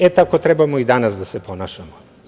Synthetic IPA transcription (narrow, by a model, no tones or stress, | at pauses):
et̪akot̪ɾɛbamoid̪anasd̪asepo̞naːʃamo